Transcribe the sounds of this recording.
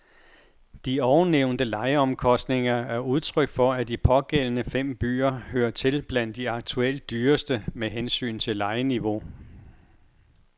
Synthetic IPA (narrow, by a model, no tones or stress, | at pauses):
d̥iɒʊneʊ̰nd̥əlɑ̈ɪəɒ̽mkʰɒ̽sd̥ne̝ŋɐæɐuð̞ˠt͡sʰʁœɡ̥fɒ̽æd̥ipʰɒ̽ɡ̥el̰ənəfem̰b̥y̰ːɐhøːɐt͡sʰe̝lb̥læn̰d̥ːiɑ̈ɡ̥̚t͡sʰuel̰d̥̚ːyːɐsd̥əmeɦensy̰ːnt͡sʰe̝lːɑ̈ɪəniʋo̝